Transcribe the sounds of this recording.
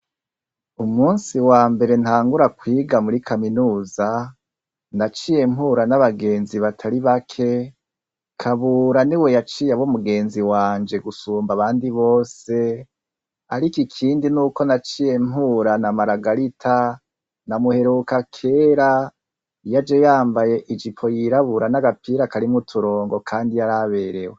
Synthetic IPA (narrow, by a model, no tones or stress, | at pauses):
umuːnsiwaːmbe̞ɾe̞n̥haːŋɡuɾakwiːɡamuɾikaminuːza | nat͡ʃije̞m̥huːɾanaβaɡe̞ːnziβatʰaɾiβakʰe | kʰaβuːɾaniwe̞jat͡ʃiːjaβomuɡe̞ːnziwaːnd͡ʒe̞ɡusuːmbaβaːndiβo̞ːse̞ | aɾikikʰiːndinuːko̞nat͡ʃije̞mɦuːɾanamaɾaɡaɾitʰa | namuhe̞ɾukakʰe̞ːɾa | jad͡ʒejaːmbaje̞ʔid͡ʒipʰo̞jiɾaβuɾanaɡapiːɾakaɾimŋutʰuɾo̞ːŋɡo̞kʰaːndijaɾaβe̞ːɾe̞we